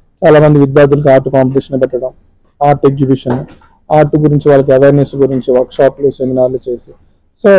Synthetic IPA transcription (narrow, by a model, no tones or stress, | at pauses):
t͡ʃaːlaːmɐnd̪iʋid̪jaːɾd̪ʱulɐkiaːɾʈukaːmpɐʈiʂɐnpɛʈːɐɽɐm | aːɾʈeɡjubiʂɐnu | aːɾʈːuɡuɾiɲt͡ʃiʋaːɭːɐk̬iɐʋɐjɾnesɡuɾiɲt͡ʃiʋɐɾkʂaːpluːt͡ʃend̪inaːɾlut͡ʃe̞ːsi | so̞ː